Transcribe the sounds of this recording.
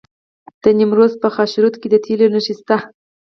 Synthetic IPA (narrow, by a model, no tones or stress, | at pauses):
d̪̥ənɪmɾozpəxɑʃɾut̪ked̪ət̪ʰelonəʃist̪a